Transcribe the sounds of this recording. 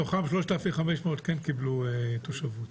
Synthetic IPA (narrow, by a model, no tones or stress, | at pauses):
oχabʃloʃt̪afiχameʃmeot̪kenkibluet̪oʃavut̪